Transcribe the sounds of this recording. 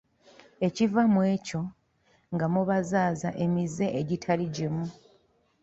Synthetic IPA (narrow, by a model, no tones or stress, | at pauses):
e̞civamwe̞ːco̞ | ŋɡamuβazaːzaʔe̞mize̞ʔːɟitʰaliɟemu